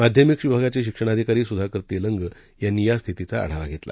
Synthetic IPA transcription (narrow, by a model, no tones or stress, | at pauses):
mad̪ʱjəmikɕʋibʱaɡat͡ɕeɕikʂəɽ̃ad̪ʱikaɾiːsud̪ʱakəɾt̪eləŋɡ | janːijast̪ʰit̪it͡saa̰ɽ̤aʋaɡʱet̪la̰